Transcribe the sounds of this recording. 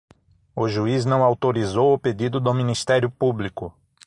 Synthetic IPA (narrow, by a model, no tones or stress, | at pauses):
ʊʒuiznɐ̃w̃awt̪oɾizowʊped̪id̪ʊd̪ʊmĩnist̪ɛɾjʊpublikʊ